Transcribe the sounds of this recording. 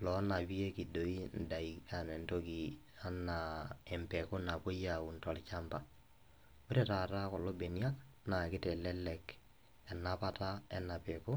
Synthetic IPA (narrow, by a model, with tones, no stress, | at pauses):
lɔ˨˦na˨bi˦e˦ki˨do˨i˦n̩˨da˨i˨ka˨nɛ˨nto˦ki˨ | a˦na˨ɛ˨mpɛ˨ko˦na˨po˦ja˨u˨ntɔ˨lt͡ʃa˦mpa˨ | mi˦ɾe˦˨ta˨ta˦kɔ˨lo˦be˨ni˦a˦k | na˨kɪ˦tɛ˨lɛ˦lɛ˨k | ɛ˨na˦pa˦ta˦ɛ˦na˨pɛ˨ko˦